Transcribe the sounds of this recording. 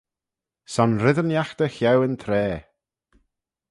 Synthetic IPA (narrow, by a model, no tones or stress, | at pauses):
sɔnɾɪðənjaxt̪əxɛwənt̪ʰɾɛː